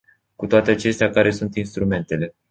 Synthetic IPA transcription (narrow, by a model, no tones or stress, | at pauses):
kut̪oat̪eat͡ʃe̞st̪eakaɾe̞sunt̪inst̪ɾume̞nt̪e̞le̞